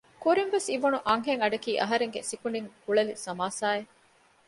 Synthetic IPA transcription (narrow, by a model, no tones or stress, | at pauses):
kuɾinʋesiʋunuʔɐŋɦeŋɐɖɐkiːʔɐɦɐɾeŋɡesikuniŋkuɭɐlisɐmaːsaːe